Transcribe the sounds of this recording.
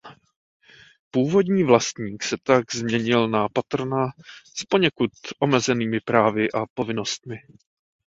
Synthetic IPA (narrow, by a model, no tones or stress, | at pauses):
puːvo̞dɲiːvlast̪ɲiːksɛt̪aɡzmɲɛɲɪlnapat̪r̩naspo̞ɲɛkut̪ʔo̞mɛzɛniːmɪpɾaːvɪʔapo̞vɪno̞st̪̚mɪ